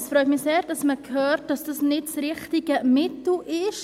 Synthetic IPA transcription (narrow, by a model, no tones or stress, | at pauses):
sfɾœʏtmɪseːɾd̥ɑsməkʰhøːɾt̚d̥ɑsd̥ɑsnɪtsɾɪχtiɡ̥əmɪtl̩ʔɪʃ